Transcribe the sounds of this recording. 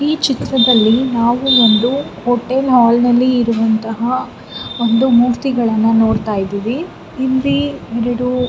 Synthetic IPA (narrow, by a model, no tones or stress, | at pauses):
iːt͡ʃit̪ɾɐd̪ɐlːinaːʋuond̪u | hoʈelɦaːlnɐlːiːɾuʋɐnt̪ɐɦɐ | o̞nd̪umuːɾt̪iɡɐɭɐnːɐnoːɽt̪aːjid̪iːʋiː | ld̪iɛɾɐɽu